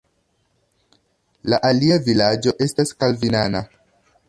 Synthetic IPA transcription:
laʔaliavilad͡ʒo̞ʔe̞staskalvinana

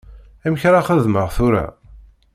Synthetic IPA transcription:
æmçɾaχəðməʁθʊɾæ̰

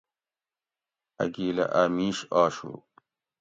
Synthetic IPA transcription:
ɐ̰ɡiːlɐ̰ʔaːmiːɕaːɕṵ

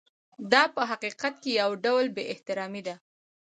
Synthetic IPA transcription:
d̪ɑpəɦaqiqat̪̚kejawɖawlbeʔɪht̪ɪɾɑmid̪a

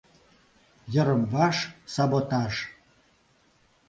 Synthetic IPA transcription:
jə̆ɾəmvɑʃsɑbot̪ɑʃ

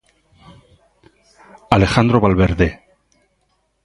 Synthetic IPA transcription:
ale̞xand̪ɾoβalβeɾðe

